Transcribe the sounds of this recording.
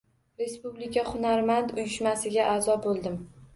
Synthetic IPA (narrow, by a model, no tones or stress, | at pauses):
ɾe̞spublɪkʲʰahʊnaɾmand̪ʊjɪʃmasɪɡʲaʔazɒbolˠd̪ɪm